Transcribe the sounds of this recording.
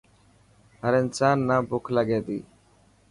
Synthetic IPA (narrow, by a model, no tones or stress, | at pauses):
ɦəɾɪnsaːnːaːbʊkʰlaɡeːd̪ḭː